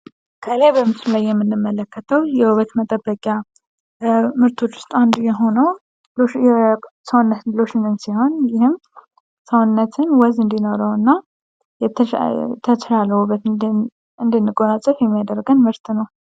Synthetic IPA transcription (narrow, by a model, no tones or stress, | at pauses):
kʰəlajbəmɨsɨllajːɛmːɨnːɨmːələkːət̪ʰəwjɛwuβət̪mət̪ʼəbːəkʼja | mɨɾt̪ʰot͡ʃːwʊ̥st̪ʼand̪ujɛɦo̞nəw | l | səwnːət̪loʃɪnɨnsiho̞njɪhɨm | səwnːət̪ʰɨnwɔzɨnd̪ino̞ɾəwɨnːa | j̪ | t̪ʰət͡ʃɾaləuβət̪ | ɨnd̪ɨnːɨɡʼonat͡ʃʼːəfjɛmːijad̪əɾɡənmɨɾt̪ʰnəw